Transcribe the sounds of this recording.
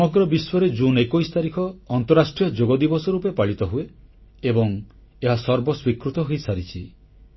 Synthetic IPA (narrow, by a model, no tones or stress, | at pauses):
sɔmɔɡɾɔbiswɔɾed͡ʒunekɔjst̪aɾikʰɔːnt̪ɔɾasʈɾijɔd͡ʒoɡɔd̪ibɔsɔɾupepaɭit̪ɔɦue | ebɔŋ | eɦasɔɾbɔswikɾut̪ɔɦojsaɾit͡ʃʰi